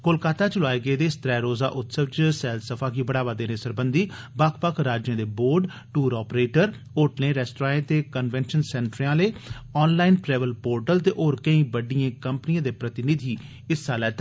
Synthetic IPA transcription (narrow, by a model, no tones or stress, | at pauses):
kolkaːt̪aːt͡ʃʊlaːeːɡəeːd̪eːɪst̪ɾɛːɾoːza̰ːʔʊt̪səʋt͡ʃsɛːlsəpʰaːkiːbəɽaːʋaːd̪eːnẽːsəɾbənd̪iːbakʰpəkʰɾaːd͡ʒjãːd̪eːboːɾɖ | ʈuːɾɔːpɾeːʈəɾ | oːʈnẽːɾɛːsʈɾãːẽːt̪eːkənʋɛ̃ːnʃənsɛ̃ːɳʈɾãːleːɔːnlaːɪnʈɾɛːʋəlpoːɾʈəlt̪eːʔoːɾkəĩːbəɖiãːkəmpniãːd̪eːpɾət̪ɪnɪd̪ʱiː | ɪsːaːlɛːt̪